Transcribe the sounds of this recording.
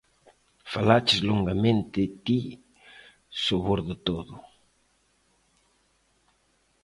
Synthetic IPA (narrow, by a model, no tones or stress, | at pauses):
falat͡ʃɪzloŋɡamẽnt̪ɪt̪i | soβoɾðʊt̪oðʊ